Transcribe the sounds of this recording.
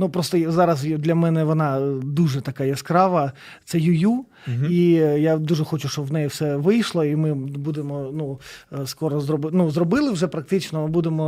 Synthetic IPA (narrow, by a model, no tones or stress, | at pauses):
nupɾɔst̪ɔjzɑɾɐzjd̪lʲɐmɛnɛʋɔnɑd̪uʐɛt̪ɐkɑjɛskɾɑʋɐ | t̪sɛjʊju | ijad̪uʐɛxɔt͡ʃʊʃt͡ʃɔbʋnɛjiwsɛʋɪjʃlˠɔimɪbud̪emɔnuskɔɾɔzrɔbnuzrɔbɪlˠɪwʐɛpɾɐk̚t̪ɪt͡ʃnɔmɪbud̪emɔ